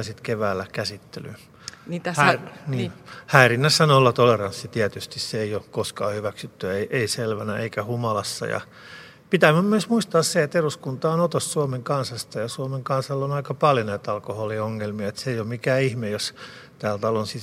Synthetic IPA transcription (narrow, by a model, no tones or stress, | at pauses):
sit̪keʋæːlːækæsit̪ːely̰ | nhniːhæirinːæssɑnoolːɑt̪olerɑnsːit̪iæt̪yst̪isseeiokoskɑ̰ːhyʋæksyt̪ːyæeiʔeiselʋænæeikæhumɑlɑsːɑ̰jɑ̰ | pit̪æmːæmyøsmuist̪ɑːsseet̪eruskunt̪ɑonot̪ossuomeŋkɑnsɑst̪ɑjɑsuomeŋkɑnsɑlːonɑikɑpɑljonæit̪ɑlkoholioŋːelmiɑet̪seijommikæːihmejost̪æːlt̪ɑlonsi